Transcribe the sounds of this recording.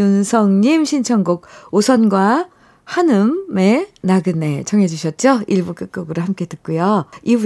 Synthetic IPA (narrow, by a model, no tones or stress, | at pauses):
unsʰʌŋɲimɕʰint͡ɕʰʌŋɡuɡ̚osʰʌnɡwa | hanɯmːe̞naɡɯne̞t͡ɕʰʌŋɦe̞d͡ʑuɕʰʌt̚t͡ɕ͈oiɭbuk͈ɯk̚k͈oɡɯɾoɦamk͈ʰe̞dɯt̚k͈ujoibu